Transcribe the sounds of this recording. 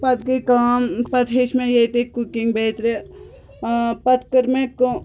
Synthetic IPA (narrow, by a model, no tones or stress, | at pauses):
pɐt̪kikaːmpɐt̪ʰɦeːʃmẽjeːt̪ekukiŋɡbeːt̪ɾe | pɐt̪kəɾmẽk